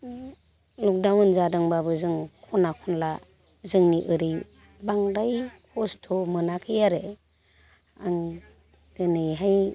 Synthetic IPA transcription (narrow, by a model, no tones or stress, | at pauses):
lɔk̚dawnzadɯŋbabɯzɯŋkʰɔnakʰɔnla | zɯŋniʔɯɾi | baŋɾajkʰɔstʰɔmɯnakʰɯjaɾɯ | aŋ | d̥ɯnɯjɦaj